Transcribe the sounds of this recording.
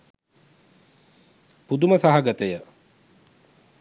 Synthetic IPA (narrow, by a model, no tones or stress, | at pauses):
pud̪uməsaɦaɡət̪əjə